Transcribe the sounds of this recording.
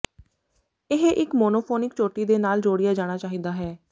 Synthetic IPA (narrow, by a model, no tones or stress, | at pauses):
ɪɦeʔɪkmoːnoːpʰoːnɪkt͡ʃoːʈːiːd̪eːnaːld͡ʒoːɽijaːd͡ʒaːɽ̃aːt͡ʃaːɦiːd̪aːɦɛː